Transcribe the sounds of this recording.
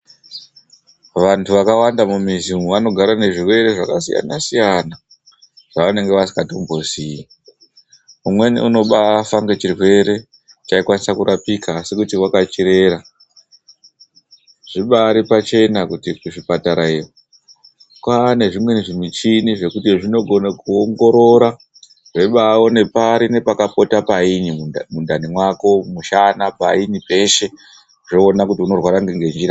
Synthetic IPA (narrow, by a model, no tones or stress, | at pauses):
ʋantʰuʋakawandamumizimuʋano̞ɡʱaɾane̞ʐirwe̞ɾe̞ʐakasḭja̰nasijana | ʐ̥aʋane̞ŋɡe̞ʋasi̥kato̞mbo̞sii | umwe̞nḛuno̞ɓafaŋɡet͡ʃirwe̞ɾe̞ | t͡ʃaikwanisakuɾapikaːsekutiwakat͡ʃiɾe̞ɾa | ʐ̥iɓaɾipat͡ʃe̞nakutikuʐipataɾaiwo | kwane̞ʐimwe̞neʐimit͡ʃiniʐe̞kutiʐino̞ɡʱo̞nakuoŋɡo̞ɾo̞ɾa | ʐe̞ɓawo̞ne̞paɾine̞pakapo̞tapainimundanimwako̞muʃanapainipe̞ʃe̞ | ʐo̞ːnakutiuno̞rwaɾaŋɡeŋɡe̞nd͡ʒiɾa